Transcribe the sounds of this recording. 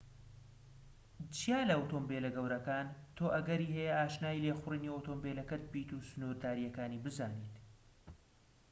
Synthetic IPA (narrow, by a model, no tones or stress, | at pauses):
t͡ʃijaːlɐɐwt̪oːmbelɐɡɐwɾɐkaːnt̪ʰoːʔɐɡɐɾiːɦɛjɛʔaːʃnaːileːxʊriniowt̪oːmbelɐkɐt̪̚biːt̪uːsɨnuɾd̪aːɾijɐkaːniːbɨzaːniːt̪